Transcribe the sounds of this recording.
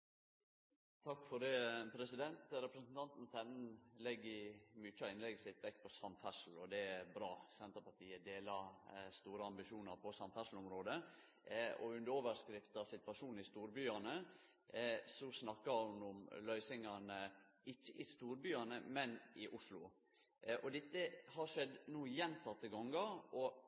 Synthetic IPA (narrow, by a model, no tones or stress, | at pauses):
t̪ʰɑkːfɔɖɛːpʰɾɛsɪd̪ɛnt̪ɾɛpɾəsn̩t̪ʰɑnt̪n̩t̪ʰɛnn̩lɛɡːɪmyt͡ʃːəɑɪnlɛɡːəsɪt̪ʋɛkːpʰɔsɑmæʂl̩ɔd̪ɛæɾbɾɑːsɛnt̪əɾpɑʈ̪iːəd̪eːlɑst̪uːɾəɑmbɪʃuːnɑɾpʰɔsɑnt̪fæʂl̩ɔmɾoːd̪ə | ɔ̰ʉnd̪əɾoːʋəɾskɾɪft̪ɑsɪt̪ʋɑʂuːn̩ɪst̪uːɾbyːɑnə | sɔsnɑkːɑhʊnʊmlœʏsɪŋɑnə | ɪçːəʔɪst̪uːɾbyːɑnəmɛnɪʔʊʂlʊ | ʔɔd̪ɪt̪ːəhɑɾʂɛd̪nuːəjɛnt̪ʰɑt̪ːəɡɔŋɡɑɔ